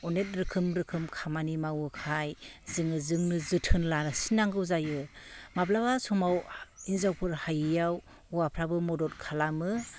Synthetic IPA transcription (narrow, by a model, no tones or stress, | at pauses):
ɔnet̚ɾɯkʰɯmɾɯkʰɯmkʰamanimawɯkʰajzɯŋɯzɯŋnɯzɯtʰɯnlanɯsinaŋɡɯwzajɯmablabasɔmawinzawpʰɯɾhajɯjaw | uwapʰɾabɯmɔdɔt̚kʰalamɯ